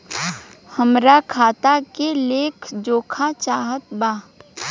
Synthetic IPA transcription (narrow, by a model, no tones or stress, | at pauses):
həmɾakʰaːt̪akeleːkʰd͡ʒoːkʰat͡ʃaːɦət̪̚baː